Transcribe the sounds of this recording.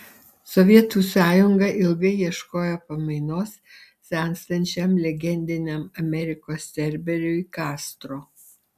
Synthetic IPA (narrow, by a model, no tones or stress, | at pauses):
sɔʋʲiɛt̪uːˑsɑːjʊŋɡɐʔɪlˠɡɐɪjiɛʃkoːjɛpɐmɐɪnoːs | sʲɛŋksʲt̪ɐnʲt͡ʃʲɛmlʲɛɡʲɛnʲd̪ʲɪnʲɛmɐmʲɛɾʲɪkoːsːʲɛɾʲbʲɛɾʲʊɪkɑːst̪ɾoː